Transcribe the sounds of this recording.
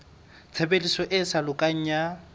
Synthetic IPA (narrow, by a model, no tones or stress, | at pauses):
t͡sʰebelisɔʔɪsalʊkʼaɲ̩ja